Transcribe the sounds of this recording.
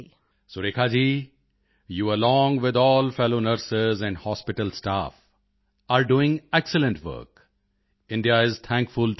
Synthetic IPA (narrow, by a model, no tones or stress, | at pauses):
soɾeːkʰaːd͡ʒiː | juːəlɔ̃ːŋʋɪd̪ɔːlfɛloːnəɾsɪzɛ̃ɳɖhɔːspɪʈəlsʈa̰ːf | aɾɖuːɪ̃ŋɛksələ̃nɳʈʋə̰ɾk | ɪ̃ɳɖiaɪzt̪ʰæ̃ŋkfʊl